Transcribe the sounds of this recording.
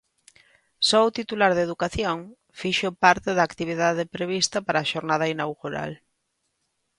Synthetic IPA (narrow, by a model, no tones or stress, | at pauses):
sɔʊt̪it̪ulaɾðeðukaθjoŋ | fiʃopaɾt̪eðaːkt̪iβ̞iðað̞epɾeβist̪ɐpaɾaːʃoɾnað̞ainawɣuɾa̰l